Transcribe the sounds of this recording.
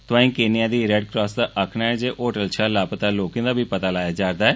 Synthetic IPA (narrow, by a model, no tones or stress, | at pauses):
t̪ʊãːĩːkeːnɪjãːd̪iːɾɛɖkɾɔːsd̪aːʔəkʰnaːɛːd͡ʒeːʔoːʈəlt͡ʃʰaːlaːpət̪aːloːkẽd̪aːbʱiːpət̪aːlaːjaːd͡ʒaːɾd̪aːɛː